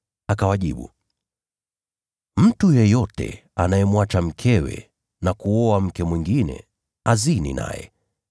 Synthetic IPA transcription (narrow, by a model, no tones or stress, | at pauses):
akawaʄḭɓṵ | m̩tujɛjɔtɛ̰anajɛmwat͡ʃam̩kʰɛwɛ̰ | nakuɔam̩kɛmwiŋɡinɛ̰ | azinḭna̰jɛ̰